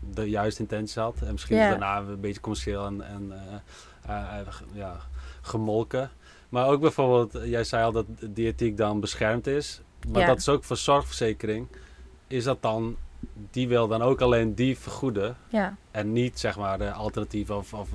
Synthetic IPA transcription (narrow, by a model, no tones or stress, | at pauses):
dəjœɥstəɪntɛnsi̥shɑtɛnmɪskindərnaːbetjə̥komɛʃeːlˠɛnɛn | jaχəmɔlˠkə | maroːk̚bɛjforbeːlˠtjɛjsɛjɔlˠdɔtədiatik̚dɔnbəsxɛrmtɪs | ʋɔndɔtɪsoːkfosɔrxfərseːkərɪŋ | ɪsdɔt̚dɔndiʋɪlˠdɔnoːkaleːndifərxudəɛnːitsɛxmaːrdəʔalˠtərnativəɔfɔf